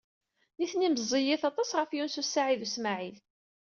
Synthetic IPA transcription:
niθniməzˤːijɪθɑt̪ˤɑsʁəfjunsusːaʕiðusmaʕil

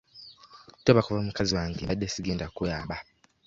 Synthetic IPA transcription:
toβakuvamukaziwaːŋɡeadːesiɡeːndakujaːβa

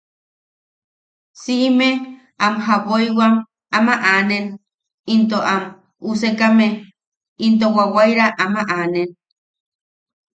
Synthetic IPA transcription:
sime | amɦapojwam | amaʔanen | int̪oʔam | usekame | int̪̬owawajɾaʔamaʔanen

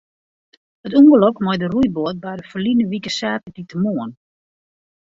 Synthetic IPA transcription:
hətuŋɡəlɔkmɔjdəruj̚boət̚bɛjdəfəlinəʋikəsaːtəditəmoən

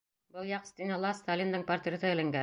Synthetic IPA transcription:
bɤlˠjɑqst̪ʲinɑlˠɑst̪alʲind̪ɤɴpɐrt̪rʲet̪ɤɘlæŋɡæ

